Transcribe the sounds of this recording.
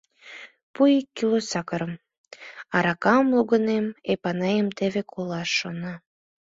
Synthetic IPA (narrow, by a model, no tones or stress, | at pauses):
pujikːilosɑkəɾəm | ɑɾɑkɑmluɣənemepɑnɑjəmt̪eβekʰolˠɑʃːonɑ